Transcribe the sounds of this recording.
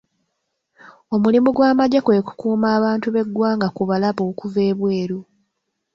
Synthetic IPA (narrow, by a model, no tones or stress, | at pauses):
o̞mulimuɡwaːmaɟakwe̞ku̥kuːmaːβaːntuβe̞ɡwaːŋɡakuβalaβo̞ːkuve̞ːβwe̞ːɾu